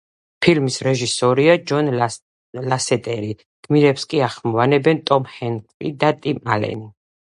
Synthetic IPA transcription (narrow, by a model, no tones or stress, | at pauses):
pʰilmisɾɛʒisɔɾiad͡ʒɔn | lasɛt̪ʼɛɾi | ɡ̪̥miɾɛpskʼiaχmɔvanɛbɛnt̪ʼɔmhɛnkʼlid̪at̪ʼimalɛ̰ni